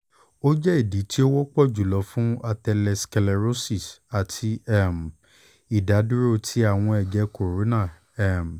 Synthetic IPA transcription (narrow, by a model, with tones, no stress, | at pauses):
o˦d͡ʒɛ˦i˦˨di˨˦ti˦o˦wɔ˦k͡pɔ˦˨d͡ʒu˨lɔ˨˦fũ˦a˧tɛ˧lɛ˧skɛ˧lɛ˧ɾo˦si˦˨sa˨tʰi˧ɛ˦˨m̩˨ | i˨da˨˦dũ˦ɾo˦˧tʰi˦a˦˨w̃ɔ̃˧ɛ˨d͡ʒɛ˨˧ko˨ɾo˨˦nã˦˨ | ɛ˦˨m˨